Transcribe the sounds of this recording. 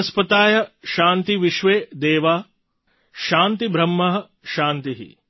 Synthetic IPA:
ɐspɐt̪aːjɐʃaːnt̪iʋiʃʋeːd̪eːʋaː | ʃaːnt̪ibɾɐmːɐɦɐ̆ | ʃaːnt̪iɦḭ

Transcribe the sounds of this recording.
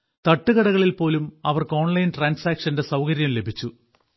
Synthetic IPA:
t̪ɐʈːuɣɐɽɐɣɐɭilpo̞ːlumɐ̰ʋɐrko̞ːɳlɐjnʈraːnsaːkʂɐndesɐwkɐɾjɐmle̞bʱit͡ɕːu

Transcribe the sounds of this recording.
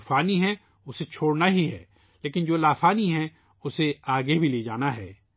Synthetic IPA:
faːniɦɛ̃ | ʊset͡ʃʰoːɽnaɦiɦɛ̰ː | leːkɪnd͡ʒoːlaːfaːniɦɛ̃ | ʊseaːɡebʱileːd͡ʒaːnaɦɛ̰ː

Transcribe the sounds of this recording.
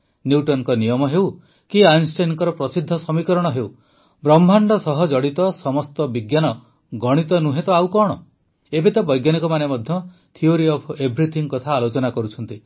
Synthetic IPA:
njuʈɔnkɔnijɔmɔɦew | kiajnsʈanŋkɔɾɔpɾɔsid̪ʱːɔsɔmikɔɾɔɽ̃ɔɦew | bɾɔmbʱaɳɖɔsɔɦɔd͡ʒɔɽit̪ɔsɔmɔst̪ɔbiɡjanɔ | ɡɔɽ̃it̪ɔnuɦet̪ɔawkɔɽ̃ɔ | ebet̪abɔjɡjanikɔmanemɔd̪ʱjɔ | t̪ʰioɾiɔpʰebʱɾit̪ʰiŋkɔt̪ʰaːlot͡ʃɔnakɔɾut͡ʃʰɔnt̪i

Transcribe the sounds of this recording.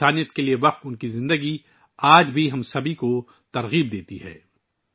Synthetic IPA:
aːnijət̪kelieʋɐq̚t̪ʊnkizɪ̃nd̪əɡi | aːd͡ʒbʱiɦɐmsɐbʱiko | t̪ɐɾɣiːb̚d̪eːt̪iɦɛ̰ː

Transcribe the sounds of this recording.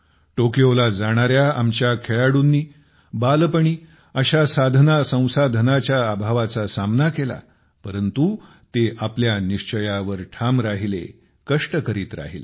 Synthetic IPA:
ʈokjolad͡zaɽ̃aɾjaa̰mt͡ɕjakʰeɭaɽuːnːiː | balpəɳ̃iː | əɕasad̪ʱnasə̃w̃sad̪ʱənat͡ɕjaːbʱaʋat͡sasamnakela̰ | pəɾənt̪u | t̪eʔapljaniʂt͡ɕəjaʋəɾʈʰamɾaɦilḛ | kəʂʈəkəɾiːt̪ɾa̰ɦḭl

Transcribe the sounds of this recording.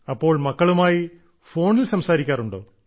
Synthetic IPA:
ɐpːo̞ːɭmɐkːɐɭumaːji | fo̞ːɳilsɐmsaːɾikʲːaːruɳɖo̞̰ː

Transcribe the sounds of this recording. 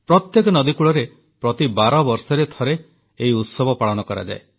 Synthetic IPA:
pɾɔt̪jekɔnɔd̪ikuɭɔɾe | pɾɔt̪ibaɾɔbɔɾsɔɾet̪ʰɔɾe | eiut̪sɔbʱɔpaɭɔnɔkɔɾa̰d͡ʒa̰e

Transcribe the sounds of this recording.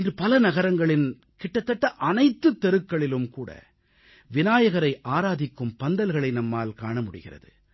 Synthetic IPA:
ɪndrɯpɐlɐnɐɣɐɾɐŋɡɐɭɪn | kɪʈːɐt̪ːɐʈːɐʔɐnɐɪt̪ːɯt̪ːɛɾɯkːɐɭɪlɯmkuːɽɐ̰ | ʋɪnaːjɐɣɐɾɐɪʔaːɾaːðɪkːɯmpɐnd̪ɐlɣɐɭɐɪnɐmːaːlkaːɳɐmʊɽɪ̰ɣɪrɐ̰ðɯ

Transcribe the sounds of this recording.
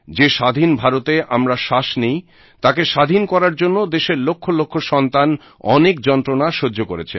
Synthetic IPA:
d͡ʑeʃad̪ʱinbʱaɾot̪eʔamɾaʃaʃnej | t̪akeʃad̪ʱinkɔɾaɾd͡ʑonːod̪eʃeɾlokʰːolokʰːoʃɔnt̪an | ɔ̰nekd͡ʑɔnt̪ɾonaʃoːokoɾet͡ɕʰe

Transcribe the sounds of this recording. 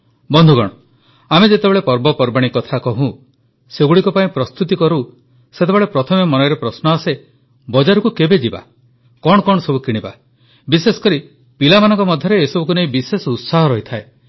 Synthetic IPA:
bɔnd̪ʱuɡɔɽ̃ɔ | amed͡ʒet̪ebeɭepɔɾbɔpɔɾbaɽ̃ikɔt̪ʰakɔɦũ | seɡuɽikɔpaĩpɾɔst̪ut̪̬ikɔɾu | set̪ebeɭepɾɔt̪ʰɔmemɔnɔjɾepɾɔsnɔase | bɔd͡ʒaɾɔkukebed͡ʒiba̰ | kɔɽ̃ɔkɔɽ̃ɔsɔbukiɽ̃iba | bisesɔ̥kɔɾi | pilamanɔ̃ŋkɔmɔd̪ʱːjɔɾeːsɔbuk̬uneĩbisesɔut̪saɦɔɾɔɦit̪ʰae

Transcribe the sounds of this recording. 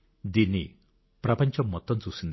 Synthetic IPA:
d̪ini | pɾapɔnt͡ʃɔmɔt̪ɔnt͡susind̪

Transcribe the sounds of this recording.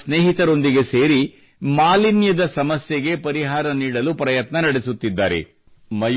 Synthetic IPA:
sne̞ːɦit̪ɐɾo̞nd̪iɡe̞se̞ːɾi | maːlinjɐd̪ɐsɐmɐsjeɡe̞pɐɾiɦaːɾɐniːɽɐlupɾɐjɐt̪nɐnɐɽesut̪ːid̪ːaːɾḛ | mɐj

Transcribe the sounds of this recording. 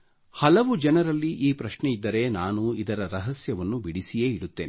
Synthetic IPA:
hɐlɐʋud͡ʒɛnɐɾɐlːiʔiːpɾɐʂɳɛid̪ːɐɾe̞naːnuid̪ɐɾɐɾɐɦɐsjɐʋɐnːubiɽisijeːiɽut̪ːeːn

